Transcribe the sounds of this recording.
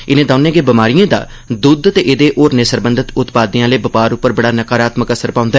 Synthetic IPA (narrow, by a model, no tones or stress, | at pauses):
ɪnẽːd̪aʊnẽːɡeːbɪmaːɾijãːd̪a̰ː | d̪ʊd̪t̪eːʔɪd̪eːʔoːɾnẽːsəɾbənd̪ət̪ʊt̪paːd̪ijãːləiːbəpaːɾʊpːəɾbəɽaːnəkaːɾaːt̪məkəsəɾpãːʊ̃nd̪aɛː